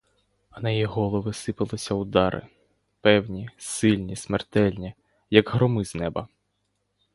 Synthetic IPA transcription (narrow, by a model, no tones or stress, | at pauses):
ɐnɐjiɦɔlˠɔʋɪsɪpɪlˠɪsʲɐʊd̪ɑɾʔɪ̰ | pɛwnʲisɪlʲnʲismert̪ɛlʲnʲi | jɐɡɦɾɔmɪznɛbɐ